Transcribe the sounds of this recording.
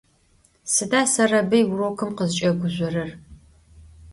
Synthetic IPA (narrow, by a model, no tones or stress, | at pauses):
sɨdaːsɐrɐbɨjwʊrokʰɨmqəzt͡ʃʼɐɡʷʊʑʷʼɔrɐr